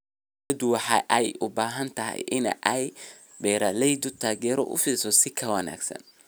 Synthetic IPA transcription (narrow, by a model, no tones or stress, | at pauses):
ɐd̪ʊwɑħɑ̰ʔɛjʔʊbaːɦɐnt̪ʰɐɦɛ̰jʔɪn̰ʔɛj | bɛːɾɐlɛjd̪ɔt̪ʰaːɡɛːɾɔ̰ʔʊ̰fiːlsɔsɪkʰɐwɐna̰ːɡsɐ̰n